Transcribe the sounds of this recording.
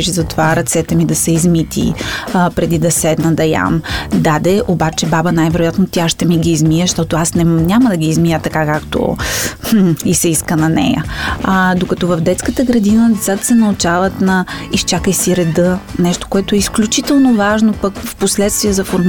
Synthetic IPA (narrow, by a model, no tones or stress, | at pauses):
iʃzɐt̪ovaɾɐt̪sɛt̪ɛmid̪ɐsɛizmit̪ḭpɾɛd̪id̪ɐsɛd̪nɐd̪ɐja̰md̪ad̪ɛʔobat͡ʃɛbabənajvɛɾojat̪not̪ʲaʃt̪ɛmiɡiːzmijəʃt̪ɔt̪oasnɛnʲaməd̪ɐɡʲiːzmijət̪ɐkakakt̪o̰m̩isɛiskənɐnɛ̰jə̰ | d̪okɐt̪ɔvɐvd̪ɛt̪skət̪əɡɾɐd̪inəzat̪sɛnɐut͡ʃavət̪nɐist͡ʃakəjsiɾɛd̪ɤnɛʃt̪o̥koɛt̪ʊɛisklʲut͡ʃit̪ɛlˠnovaʒnopəkfposlɛt̪st̪viəzɐfoɾm